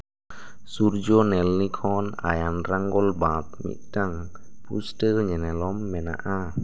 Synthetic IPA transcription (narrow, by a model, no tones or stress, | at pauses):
suɾd͡ʒɔnɛlnikʰɔna̰janɾaŋɡɔlbat̚mḭʔ̚taŋ | pustəɲɛnɛlɔmːɛna̰ʔa